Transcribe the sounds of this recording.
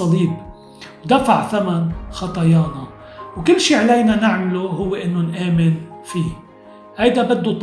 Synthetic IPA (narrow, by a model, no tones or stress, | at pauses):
ɑliːb | wd̪afaʕθamanxɑt̪ˤɑjɑːna | wkɪlːʃiːʕalejnanɪʕmluɦʊwːeʔɪnːʊnʔeːmɪnfiː | hajd̪abad̪ːut̪ˤ